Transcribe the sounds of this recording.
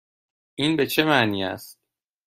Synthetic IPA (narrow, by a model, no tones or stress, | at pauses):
ʔiːnbe̞t͡ʃʰemæʔniːæ̰st̪̚